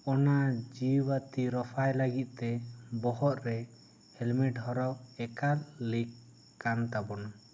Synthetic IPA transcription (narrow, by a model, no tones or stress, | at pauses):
ɔnad͡ʒiwat̪iɾɔpʰajlaɡit̪̚ˀt̪ɛbɔɦɔʔ̪ɾɛ | hɛlmɛʈhɔɾɔwɛkaɾlikː | ant̪abɔna